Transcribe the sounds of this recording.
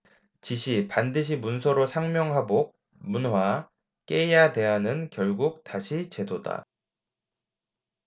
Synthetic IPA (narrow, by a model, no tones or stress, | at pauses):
t͡ɕiɕʰipandɯɕ̬ʰimunsʰʌɾosʰaŋmjʌŋɦabok̚ | munɦwa | k͈eijate̞ɦanɯnkjʌɭɡuk̚taɕʰit͡ɕe̞doda̰